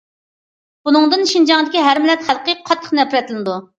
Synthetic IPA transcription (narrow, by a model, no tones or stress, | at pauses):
b̥unɨŋd̪ɨnʃind͡ʒɑŋd̪ɪkʲiɦæɾmɪlɛt̪χælˠqəqʰɑt̪ʰːə̥qnɛpʰɾɛt̪ʰlnɨd̪u